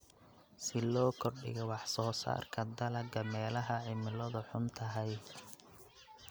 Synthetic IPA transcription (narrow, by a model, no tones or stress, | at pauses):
sɪlɔːkʰɔrɖɪ̰ɣɛwɑħsɔːsa̰ːrkʰɐd̪ɐlɐɡɐmɛːlɐɦɐʕɪmɪlɐðʊħʊnt̪ʰɐɦɛj